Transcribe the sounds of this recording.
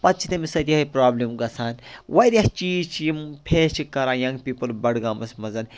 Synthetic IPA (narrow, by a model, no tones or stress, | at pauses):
pɐt̪t͡ʃʰit̪ɐmisɐd̪ʲiiɦipɾaːblimɡɐsʰaːnwɐɾʲɐht͡ʃiːt͡ʃʰjimpʰeːt͡ʃʰikɐɾaːjɐ̃ŋɡpiːpɐlbɐɽɡaːmɐsmɐzɐn